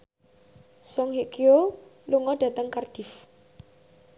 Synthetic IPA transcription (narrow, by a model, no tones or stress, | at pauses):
sɔŋɦiʔkioluŋɔd̥ä̤t̪əŋkard̥i̤f